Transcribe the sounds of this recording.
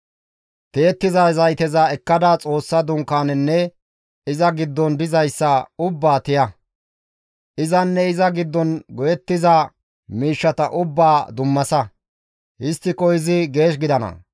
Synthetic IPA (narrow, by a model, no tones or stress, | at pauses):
t̪eːt̪ːɪzazɐjt̪ɛzaɛkːɐd̪at͡sʼo̞ːsːɐd̪ʊŋkːaːnɛnːɛ | ɪzɐɡɪd̪ːɔnd̪ɪzɐjsːɐʊbːaːt̪ɪjɐ | ʔɪzɐnːɛɪzɐɡɪd̪ːɔnɡɔjɛt̪ːɪza | miːʃːɐt̪ɐ̰ʔʊbːaːd̪ʊmːɐsɐ | hɪst̪ːɪkɔjɪzɪɡe̞ːʃ̬ɡɪd̪ɐnɐ̰